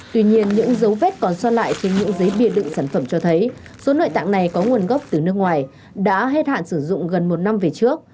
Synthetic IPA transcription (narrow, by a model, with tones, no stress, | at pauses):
t̪wi˧ɲi˧ənɲɨ̰˧˥ŋzə˨˦wve˦˥t̚kɔ˨˩nswaː˧la̰ː˧˨jt͡ɕe˧nɲɨ̰˧˥ŋzə˨˦jɓi˧˩əɗɨ̰˧˨ŋsaː˧˩nfə˧˩mt͡ɕɔ˧t̪ʰə˨˦j | so˨˦no̰˧˨jt̪a̰ː˧˨ŋna˨˩jkɔ˨˦ŋu˨˩ənɣə˦˥wp̚t̪ɨ˨˩nɨ˦˥ək̚ŋwaː˨˩j | ɗa̰ː˧˥ɦe˦˥t̚ha̰ː˧˨nsɨ˧˩zʊ̰˧˨ŋ͡mɣə˨˩nmo˨˩t̚na˧mve˨˩t͡ɕɨ˦˥ək̚